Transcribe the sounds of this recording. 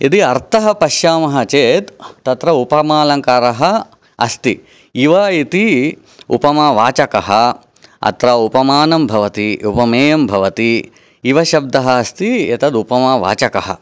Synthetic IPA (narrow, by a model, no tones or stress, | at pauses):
id̪iɐɾt̪ɐɦɐpɐʃjaːmɐɦɐt͡ʃeːt̪ːɐt̪ɾɐupɐmaːlɐŋkaːɾɐɦɐ | ɐst̪i | iʋɐit̪i | ṵpɐmaʋaːt͡ʃɐkɐɦɐ | ɐ̰t̪ɾɐupɐmaːnɐmbʱɐʋɐt̪iupɐmeːjɐmbʱɐʋɐt̪i | iʋɐʃɐb̚d̪ɐɦɐɐst̪iɐt̪ɐd̪upɐmaːʋa̰ːt͡ʃɐkɐɦɐ̰